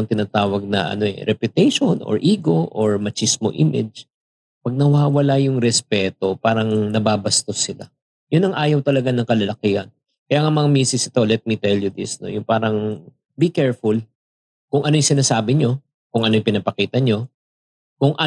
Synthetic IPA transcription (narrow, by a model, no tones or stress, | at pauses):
ŋt̪ɪnaːt̪aːwɐɡ̚nɐ̰ʔɐ̰no̞ɛ̰ɾɛpjʊt̪ɛjʃonʔo̰ɹʔiːɡo̞ʔoɹmɐt͡ʃismo̰ʔimʔɪ̰d͡ʒ | pɐɡ̚nɐwaːwɐlajʊŋɾɛspɛːt̪o̞paːɾɐŋnɐbaːbɐst̪o̞sɪla̰ | jʊnːɐŋʔaːjɐwt̪ɐlɐɡanɐŋkɐlɐlɐkihɐn | kɐjaːŋamɐŋamiːsɪsɪt̪o̞lɛt̪̚mit̪ɛljʊd̪ɪ̰sno̰jʊŋpaːɾɐŋ | bikɛɹfʊl | kʊŋʔɐnojʊŋsɪnaːsaːbɪɲo̞ | kʊŋʔɐnojpɪnɐpɐkiːt̪ɐɲo̞ | kʊŋʔɐ